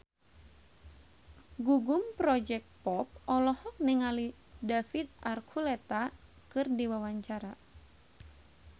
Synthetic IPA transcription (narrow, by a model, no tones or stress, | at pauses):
ɡuɡumpɾɔd͡ʒɛk̚t̪̚pɔp̚ɔlɔhɔk̚nɛŋali | dafit̪̚arkʰulɛt̪a | kɨrdiwawaɲt͡ʃaɾa